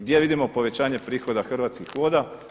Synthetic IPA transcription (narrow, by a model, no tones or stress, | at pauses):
ɡd̪jeʋid̪imopo̞ʋe̞t͡ɕaːɲe̞pɾiːxo̞d̪axr̩ʋaːt̪skixʋoːd̪a